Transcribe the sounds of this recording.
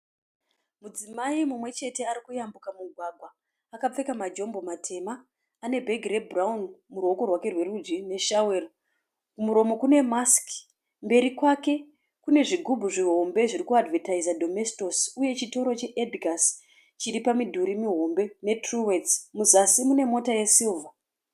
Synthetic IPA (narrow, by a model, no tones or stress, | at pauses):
mud͡zimaimumwe̞t͡ʃe̞te̞aɾikujambukamuɡʱwaɡʱwaː | kap͡fe̞kamad͡ʒo̞mbo̞matʰe̞maː | ne̞bʱe̞ɡʱrebraunmuɾwo̞ko̞rwake̞rwe̞rud͡ʒine̞ʃawero | kumuɾo̞mo̞kune̞mask | mbe̞ɾikwake̞ | kune̞ʐiɡʱubʱuʐiɦo̞mbe̞ʐirikuadvetaizadʱo̞mesto̞suje̞t͡ʃito̞ɾo̞t͡ʃe̞ʔediɡʱas | t͡ʃiɾipamidʱuɾimiɦo̞mbe̞ne̞truwe̞t͡smuzasimune̞mo̞tajesilvʱa